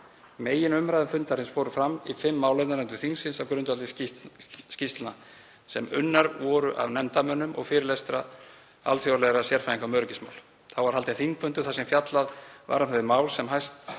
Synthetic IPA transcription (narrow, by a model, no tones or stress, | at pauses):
meːjɪnʏmɾajðʏmfʏnt̪aɾhɪnsfoːwɾʏfɾamːifɪmːaːwlɛt̪naɾnɛnt̪ʏɾ̥θiŋsɪnsawkɾʏnt̪valɪ | scist̪lna | sɛmʏ̰nːaɾvɔːɾʏʔa̰vnɛmt̪amœnːʏmɔ̰ɣfɪɾɪlejst̪ɾa̰ | a̰lt̪θfjowlɛɣɾasjɛɾ̥faɾiŋkamœɾʏcɪ̥sma̰ːwl | θawvaɾ̥halt̪ɪθiŋk̚pʰʏnt̪ʏ̥θasɛmfjat̪laðva̰ɾamhaðɪmaːwlsɛmɦajst̪